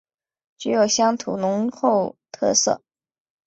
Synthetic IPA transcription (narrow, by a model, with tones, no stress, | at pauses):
t͡ɕy˧˥jo˨˩ʊɕjɑ˥ŋt̪ʰṵ˨˩nʊ˧˥ŋxo˥˧ʊt̪ʰɤ˥˧sɤ̰˥˩